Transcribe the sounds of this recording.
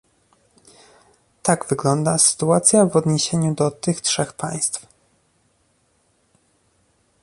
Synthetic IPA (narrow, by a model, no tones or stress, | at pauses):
t̪aɡvɘɡlɔnd̪asɘ̥t̪uat̪sʲjavɔd̪ɲeɕeɲud̪ɔt̪ɘxtʂɛxpa̰j̃st̪f